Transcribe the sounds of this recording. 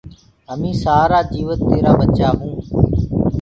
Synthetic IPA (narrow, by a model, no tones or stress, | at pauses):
əmĩːsaːɾaːd͡ʒiːʋət̪ːeːɾaːbət͡ʃaːɦũː